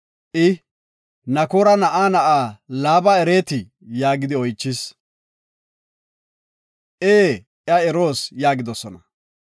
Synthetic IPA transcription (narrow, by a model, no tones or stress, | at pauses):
ʔɪ | nɐkoːɾɐnɐʔaːnɐʔaːlaːbɐɛɾe̞ːt̪ɪ | jaːɡɪd̪ɪɔjt͡ʃːɪs | ʔeː | ʔjɐɛɾo̞ːsjaːɡɪd̪ɔsɔnɐ